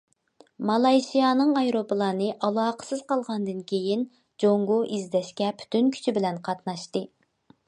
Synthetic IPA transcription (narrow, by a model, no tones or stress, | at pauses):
mɑlˠɑjʃijɑnɨŋɑjɾopəlˠɑːnɨʔɑlˠɑːqə̥sɨzqɑlˠʁɑnd̪ɨnkʲʰejin | d͡ʒoŋɡoʔizd̪ɛʃkʲɛpʰy̥t̪ʰynkʲʰy̥t͡ʃʰibɪlɛnqʰɑt̪nɑʃt̪ɨ